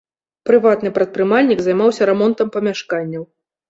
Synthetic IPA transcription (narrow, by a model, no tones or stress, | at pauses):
pɾɨvat̪nɨpɾɐt̪̚pɾɨmalʲnʲikzajmawsʲɐɾɛmɔnt̪ɐmpɐmʲaʂkanʲːɐw